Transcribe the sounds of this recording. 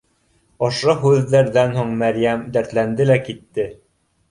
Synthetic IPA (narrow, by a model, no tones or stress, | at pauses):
ŏʃoɦʉðːæɾðænhuɴmæɾjæmd̪æɾt̪lænd̪ɘlækit̪ːɘ